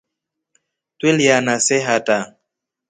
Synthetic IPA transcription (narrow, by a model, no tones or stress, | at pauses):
tweljanasɛɦata